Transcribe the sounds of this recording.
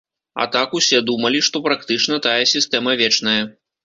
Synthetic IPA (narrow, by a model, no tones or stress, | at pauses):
ɐ̰t̪akusʲɛd̪umɐlʲiʂt̪ɔpɾakt̪ɨt͡ʂnɐt̪ajɐsʲist̪ɛmɐvʲɛt͡ʂnɐjɐ